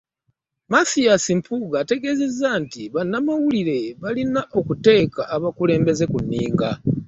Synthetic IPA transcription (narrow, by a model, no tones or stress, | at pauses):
masijasimpʰuɡaːte̞ɡe̞ze̞zːantiβanːamawuliɾe̞βalinaʔo̞kute̞ːkaʔːβakule̞ːmbe̞ze̞kunːiːŋɡa